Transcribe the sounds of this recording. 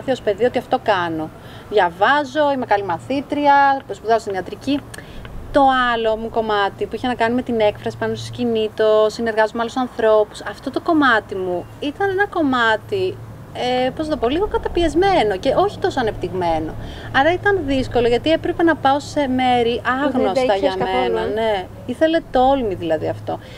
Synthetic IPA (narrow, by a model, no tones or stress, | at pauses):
θiospe̞ðio̞t̪iɐft̪o̞kɐno̞ | ðʝɐvɐzo̞ime̞kɐlimɐθit̪ɾiɐpospuðɐost̪iniɐt̪ɾicit̪o̞ɐlo̞muko̞mɐt̪ipuiçenɐkɐnime̞t̪ine̞kfɾɐsi̥pɐnost̪o̥scinit̪o̞sine̞ɾɣɐzomeɐloussɐnθɾo̞pu̥sɐft̪o̞t̪o̞ko̞mɐt̪imu | it̪ɐne̞nɐko̞mɐt̪i | epɾosnt̪o̞poliɣo̞kɐt̪ɐpiezme̞no̞ce̞o̞çi̥t̪o̞soɐnept̪iɣme̞no̞ɐɾɐit̪ɐnðisko̞loʝɐt̪iepɾe̞pe̞nɐpɐose̞me̞ɾiʔɐɣnost̪ɐʝɐmenɐne̞ | iθe̞le̞t̪o̞lmiðilɐðiɐft̪o̞